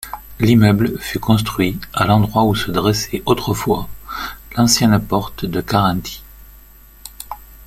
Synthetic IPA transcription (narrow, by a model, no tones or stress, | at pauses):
limœbləfykɔ̃s̬t̪χɥialɑ̃d̪ʁwausəd̪ʁɛsɛʔot̪χəfwalɑ̃sjɛnpɔʁt̪d̪əkaʁɑ̃t̪ʰi̥